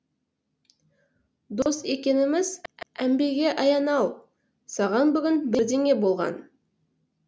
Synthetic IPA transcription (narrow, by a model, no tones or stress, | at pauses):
d̪o̞st̪e̞kʲe̞nɪmɪzæmbe̞ɡʲe̞ʔɑjɑnɑw | sɑʁɑnbʏɡʲɪnbɪɾd̪e̞ŋʲe̞bo̞lˠʁɑ̰n